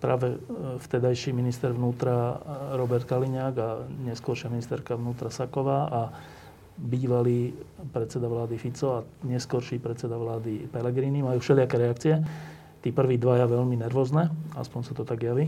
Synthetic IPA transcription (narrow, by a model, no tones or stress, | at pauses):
pɾaːʋɛft̪ɛd̪ajʃiːminist̪ɛɾʋnuːt̪ɾaɾɔbɛɾt̪kaliɲaːɡaɲɛskʊɔɾʃɪaminist̪ɛɾkaʋnuːt̪ɾasakɔʋaːʔa | biːʋaliːpɾɛt̪t͡sɛd̪aʋlaːd̪ifit͡sɔaɲɛskɔɾʃiːpɾɛt̪t͡sɛd̪aʋlaːd̪ipɛlɛɡɾiːnimajuːfʃɛlɪakɛɾɛakt͡siɛ | t̪iːpr̩ʋiːd̪ʋajaʋɛʎminɛɾʋɔznɛa̰spɔɲsat̪ɔt̪aɡjaʋi